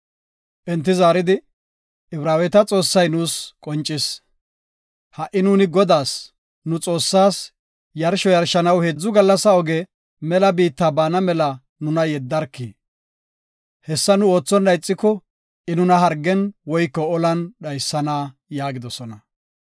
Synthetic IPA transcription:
ʔɛnt̪ːɪzaːɾɪd̪ɪ | ɪbɾaːwɛt̪ɐt͡sʼo̞ːsːɐjnʊːskʼɔnt͡ʃʼːɪs | hɐʔɪnuːnɪɡɔd̪aːs | nʊt͡sʼo̞ːsːaːs | jɐɾʃɔjɐɾʃɐnɐwheːd͡zːʊɡɐlːɐsɐɔɡɛ | mɛlɐbiːt̪ːabaːnɐmɛlɐ | nʊnɐjɛd̪ːɐɾkːḭː | hɛsːɐnʊo̞ːt͡sːɔnːɐjt͡sʼːɪkːɔ | ʔɪnʊnɐɦɐɾɡːɛnwɔjkːɔɔlɐnɗɐjsːɐnaː | jaːɡɪd̪ɔsɔnɐ

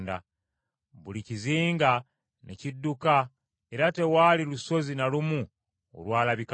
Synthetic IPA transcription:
nda̰ | βuliciziːŋɡa | nḛcidːuka | e̞ɾate̞waːliluso̞zinalumu | o̰lwaːlaβika

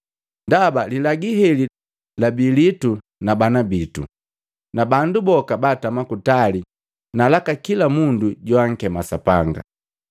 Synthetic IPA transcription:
ndabalilaɡiɦɛli | labilitu | nabanabitṵ | nabandubɔkabatamakutali | nalakakilamunduɟwaŋ̩kɛmasapa̰ŋɡa̰

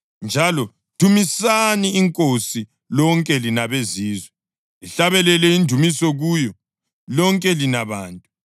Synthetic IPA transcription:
nd͡ʒʱalɔ | tʰumisaniːŋkʼosi | lɔŋkʼɛlinaβeziːzwɛ | iɬaβɛlɛlɛindʱumisɔɣujɔ | lɔŋkʼɛlinaβaːntʼu

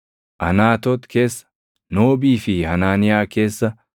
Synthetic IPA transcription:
ʔɐnaːt̪ɔt̪kʰe̞ːsːɐ̥ | noːbiːfɪhɐnaːnɪjaːke̞ːsːɐ

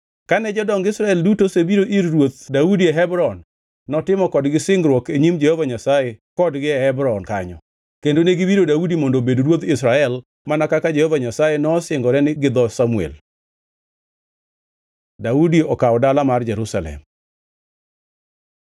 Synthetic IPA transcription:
kanɛd͡ʒɔdɔŋɡɪsɾaɛldutosebiɾoʔiɾrwot̪̚daudieɦɛbɾɔnː | ɔtɪmɔkɔdɡɪsɪŋɡɾwɔkeɲimd͡ʒɛhovaɲasajekɔdɡɪhɛbɾɔnkaɲɔ | kendoneɡibiɾodaudimondobedɾwot̪ɪsɾaɛl | manakakad͡ʒɛhɔvaɲasajenɔsɪŋɡɔɾɛnɪɡɪd̪ɔsamuḛl | daudiɔkaɔdalamard͡ʒɛɾusalɛ̰m

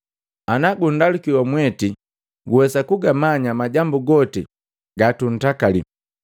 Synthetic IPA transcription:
anaɡundalukiwamwɛti | ɡuwɛsakuɡamaɲamaɟambuɡɔti | ɡatun̩takali

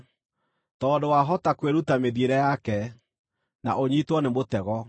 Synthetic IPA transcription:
tɔːdowaɦɔtakweɾutameðieɾɛjakɛ | na̰ʔoɲitwɔnemotɛɣɔ

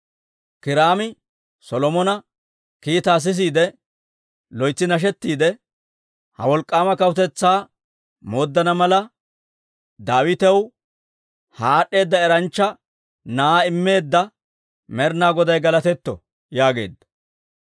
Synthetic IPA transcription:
kɪɾaːmɪ | sɔlɔmɔnɐ | kiːt̪aːs̬ɪs̬iːd̪ɛ | lɔjt͡sːɪnɐʃ̬ɛt̪ːiːd̪ɛ | hɐ̰wɔlkʼːaːmɐkɐwʊt̪ɛt͡sːaː | mo̞ːd̪ːɐnɐmɐlɐ | d̪aːwɪt̪ɛw | haːɗːe̞ːd̪ːɐɛɾɐnt͡ʃːɐ | naːɪmːe̞ːd̪ːɐ | mɛɾnaːɡɔd̪ɐjɡɐlɐt̪ɛt̪ːɔ̰ | jaːɡeːd̪ːɐ̥

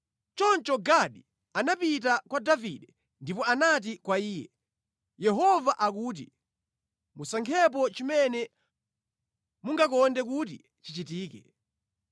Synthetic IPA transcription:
t͡ʃɔnt͡ʃɔɡaɗi | anapit̬akwadaviɗɛ | ndipɔanat̬ikwaiːjɛ̰ | jɛɦɔvaʔakuːt̬ḭ | musaŋkʰɛp̬ɔt͡ʃimɛnɛ | muŋɡakɔndɛkut̬i | t͡ʃit͡ʃitiːkɛ

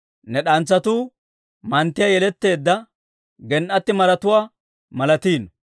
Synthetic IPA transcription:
nɛɗɐnt͡sːɐt̪uː | mɐnt̪ːɪjɐjɛlɛt̪ːe̞ːd̪ːɐ | ɡɛnʔɐt̪ːɪmɐɾɐt̪ʊwaː | mɐlɐt̪iːn

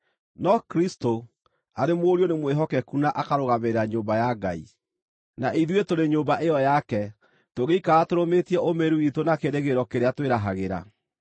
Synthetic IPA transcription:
nɔkɾisto | aɾemwoɾjonemweɦɔkɛkunaʔakaɾoɣameɾaɲoːmbajaɡa̰i | naʔiðwetoɾeɲoːmbaʔejɔjakɛ | toɣeikaːtoɾometiɛʔomeɾuitonakeɾeɣeɾɔkeɾeatweɾaɦaɣeɾa̰

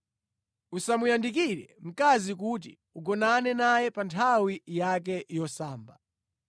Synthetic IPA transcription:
usamujandik̬iɾɛm̩kazik̬ut̬ḭ | uɡɔnanɛnajɛpantʰawijak̬ɛjɔsaːmba

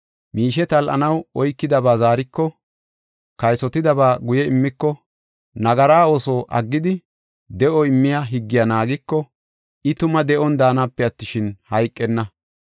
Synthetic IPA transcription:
miːʃɛt̪ɐlʔɐ̰nɐwɔjkːɪd̪ɐbaːzaːɾɪkːɔ | kɐjsɔt̪ɪd̪ɐbaːɡʊjɛɪmːɪkːɔ | nɐɡɐɾaːo̞ːsoːʔɐ̰ɡːɪd̪ɪ | d̪ɛʔɔɪmːɪjaɦɪɡːɪjɐnaːɡɪkːɔ | ɪt̪ʊmɐd̪ɛʔɔnd̪aːnɐpːɛɐt̪ːɪʃɪnhɐjkʼːɛnːɐ

